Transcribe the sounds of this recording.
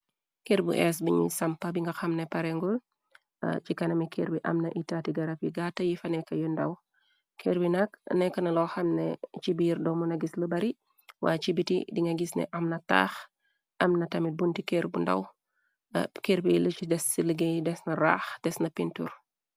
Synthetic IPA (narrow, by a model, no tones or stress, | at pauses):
keɾbṵʔɛs̬biɲḭsɐmpɐbiŋɡɐxɐmnɛpɐɾɛŋɡul̰ | t͡ʃikɐnɐmikʰeɾbiʔɐ̰mnɐʔitatiɡɐɾɐpiɡatːɐjifɐnɛkɐjɔndɐw | kʰeɾbinɐknɛkːɐnɐlɔxɐmnɛ̰t͡ʃibiɾdɔmunɐɡisləbɐɾi | wʔa̰ːt͡ʃibitḭdiŋɡɐɡisnɛ̰ʔɐmnɐta̰ːx | ʔɐmnɐtɐmit̚buntikeɾbunda̰w̰ | keɾbilət͡ʃidɛsiləɡejdɛsnɐɾa̰ːxdɛsnɐpintṵɾ